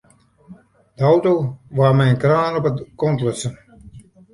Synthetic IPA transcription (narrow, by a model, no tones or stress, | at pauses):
d̥əɔwtoʋamɛjnkraːnɔpəkɔntløsən